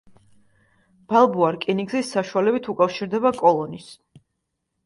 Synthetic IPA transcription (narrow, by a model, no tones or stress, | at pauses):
b̥alˠbuaɾkʼiniɡzisːaʃualɛbit̪ʰukʼafʃiɾd̪ɛbakʼɔlˠɔnis